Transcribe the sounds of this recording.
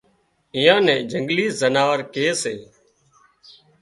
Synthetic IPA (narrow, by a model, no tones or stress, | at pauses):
ɪjãːnɛ̃ːd͡ʒʱəŋɡliːzənaːʋəɾkeːseː